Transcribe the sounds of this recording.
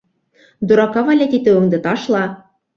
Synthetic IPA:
d̪uɾɑkɑβɑlʲæt̪it̪ɘ̆ɤ̆ŋd̪ɤ̆t̪ɑʃlˠɑ

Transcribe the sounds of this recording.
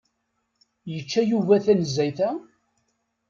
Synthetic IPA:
jət͡ʃːæjuvæθænəzːæjθæ

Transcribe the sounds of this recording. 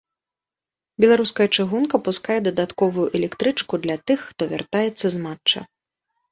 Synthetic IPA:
bʲɛlˠaɾuskɐjɐt͡ʂɨɣunkɐpuskajɛd̪ɐd̪at̪kɔvujuʔɛlʲɛkt̪ɾɨt͡ʂkud̪lʲɐt̪ɨxːt̪ɔvʲa̰rt̪ajɛt̪sːɐzmat͡ʂːɐ̰

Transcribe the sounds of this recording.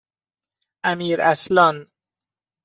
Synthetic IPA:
amiːɾaslɔn

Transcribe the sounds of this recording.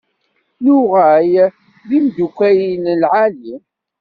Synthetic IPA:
luʁæj | ðimd̪ukʷːæjinlʕali

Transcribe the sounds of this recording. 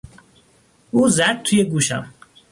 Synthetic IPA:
uːzæd̪̚t̪ʰujeɡuːʃæ̰m

